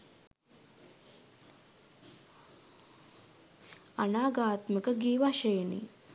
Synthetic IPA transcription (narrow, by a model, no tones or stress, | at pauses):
ɐnaːɡaːt̪mikɐɡiːʋaɕɐjnḭ